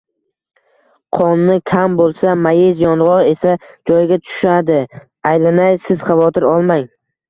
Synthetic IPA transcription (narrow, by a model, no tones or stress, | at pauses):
qʰɒnːɪkʲʰambolˠsamajɪzjɒnʁɒɾe̞sad͡ʒɒjɡʲat̪ʰʊ̥ʃad̪ɪ | ajlanajsɪz̥χɑvɒt̪ʰɪɾɒlˠmaŋ